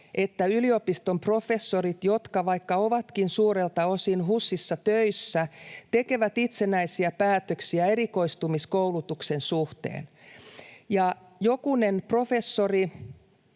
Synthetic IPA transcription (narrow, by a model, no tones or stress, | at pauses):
ʔet̪ːæyliopist̪ompro̞fesːorit̪jot̪kɑʋɑikːɑoʋɑt̪kinsuːɾelt̪ɑosinɦusːisːɑt̪øisːæt̪ekeʋæt̪it̪senæisiæpæːt̪øksiæeɾiko̞ist̪umiskoulut̪uksensuht̪ḛːn | jɑ | jokunenprofesːori